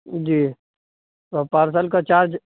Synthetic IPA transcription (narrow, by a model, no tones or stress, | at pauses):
d͡ʒiː | t̪opaːɾsaːlkat͡ʃaːɾd͡ʒ